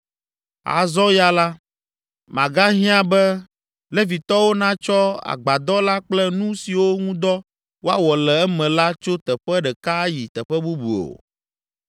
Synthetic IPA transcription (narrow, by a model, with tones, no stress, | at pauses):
a̰˨zɔ˦ja˦la˦ | mã̰˨ɡa˦ɦĩ˦ã˦bɛ˦ | lɛ˦vi˨t̪ɔ˦wo˦nã˦t͡ʃɔ˦a̰˨ɡ͡ba˨d̪ɔ˦la˦k͡plɛ˦nũ˦si˨wo˦ŋũ˦d̪ɔ˦ | wo˦a˦wɔ˨lɛ˨ɛ˦mɛ̃˨la˦t͡ʃo˦t̪ɛ˨ɸɛ˦ɖɛ˨ka˦ji˨t̪ɛ˨ɸɛ˦bu˦bṵ˨o̰˨